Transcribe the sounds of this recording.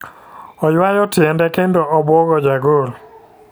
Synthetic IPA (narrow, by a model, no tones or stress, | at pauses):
ɔjwajɔtɪɛndɛkendoʔɔbwɔɡɔd͡ʒaɡol